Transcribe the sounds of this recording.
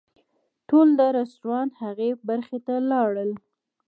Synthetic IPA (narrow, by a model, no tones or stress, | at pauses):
ʈold̪əɾast̪ɾɑnhaɣebaɾxet̪alɑɽəl